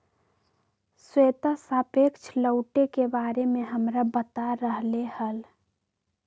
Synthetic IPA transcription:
sweːt̪asaːpeːkt͡ʃʰləʊʈekebaːɾemẽɦəmɾabət̪aɾəɦlehəl

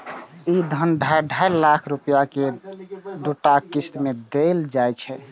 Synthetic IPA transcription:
id̪ʱənɖʱajɖʱajlakʰɾupijake | ɖuʈakisʈ̪med̪eld͡ʒajt͡ʃʰɛ

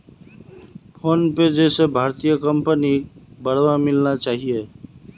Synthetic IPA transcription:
pʰoːnped͡ʒɛːsebʱaːɾt̪ijəkəmpənibəɽwamɪlnat͡ʃaːɦie

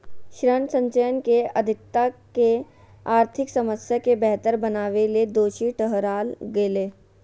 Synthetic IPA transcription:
ʃɾənsə̃ɲt͡ʃəjənkeɐd̪ʱɪkt̪ːake | aːɾt̪ʰɪksɐməsjakebɛɦt̪əɾbɐnaːʋeled̪oːʃiʈəɦɾaːlɡeːleː

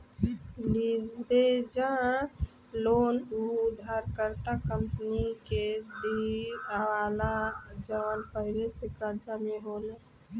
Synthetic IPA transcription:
liʋɾed͡ʒã | loːnud̪ʱaɾkəɾt̪akəmpəniked̪iəwalad͡ʒəʋənpəɦɪɾesekəɾd͡ʒameɦole

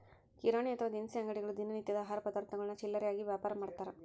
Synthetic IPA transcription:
kiɾaːɳiɐt̪ʰɐʋaːd̪insiɐŋɡɐɽiɡɐɭud̪inɐnit̪jɐd̪ɐːɦaːɾɐpɐd̪aːɾt̪nɐɡɐɭɐnːɐt͡ʃilːɐɾɛjaːɡiʋjaːpaːɾɐmaːɽt̪aːɾɐ

